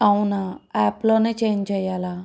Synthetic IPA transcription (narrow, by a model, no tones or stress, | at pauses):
ɐwunaɛːplo̞ːneːt͡ʃeːnt͡ʃɛːjaːlaː